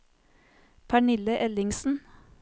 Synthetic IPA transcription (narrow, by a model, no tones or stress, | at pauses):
pʰæɳɪləʔɛlɪŋsn̩